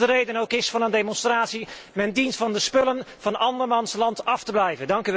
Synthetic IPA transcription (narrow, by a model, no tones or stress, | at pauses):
dərejdənowkɪsfɑnəndejmɔnstraːtsimɛndintfɑndəspɵlənv̥ɑnɑndəɹmɑnslɑntɑftəblɛjvəndɑŋkyʋ